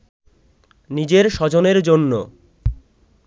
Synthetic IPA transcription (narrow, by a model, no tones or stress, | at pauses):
nid͡ʑeɾʃɔd͡ʑoneɾd͡ʑonːo